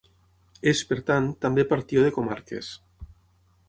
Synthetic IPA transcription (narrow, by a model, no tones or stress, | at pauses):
espeɾt̪ant̪ambepaɾt̪ioð̞ekoma̰ɾkḛs